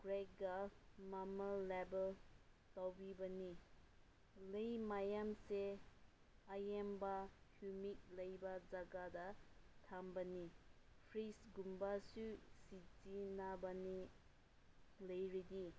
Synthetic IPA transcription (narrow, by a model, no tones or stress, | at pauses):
ɡ̥ɾek̚ɡamamalebel | tawbibɐni | lɐjmajamse | ajembahjumik̚lɐjbɐzaɡadɐtʰambɐni | pʰɾisɡumbasusizinabani | lɐjɾidi